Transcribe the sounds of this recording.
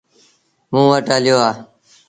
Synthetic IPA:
mũːʋəʈaːlɪjoːaː

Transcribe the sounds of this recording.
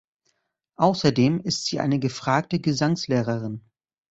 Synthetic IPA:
ʔaʊsɐdeːmɪstz̥iːʔa̰ɪnəɡəfʁ̥aːk̚təɡəzaŋsleːʁ̞ɐʁɪn

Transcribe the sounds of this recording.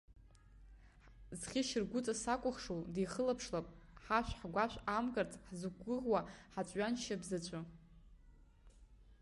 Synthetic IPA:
zχʲiʃɪrɡʷʊt͡sʼasakʷʼʊχʂoldijχəlapʰʂlapʼħaʃʷᶣħɡʷaʃʷᶣamɡart͡sʼħzuɡʷɨʁwaħat͡ɕʷʼɥanʃabzɨt͡ɕʷʰʼa

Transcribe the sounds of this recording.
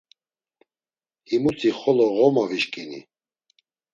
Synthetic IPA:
himut͡s̪ʰiχɔlɔɣɔmaviʃkʼinḭ

